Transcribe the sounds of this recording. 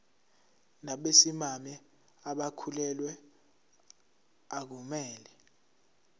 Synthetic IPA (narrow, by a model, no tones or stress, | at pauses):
naɓesimamɛ | aɓakʰulɛlwɛ | ak̬umɛːlɛ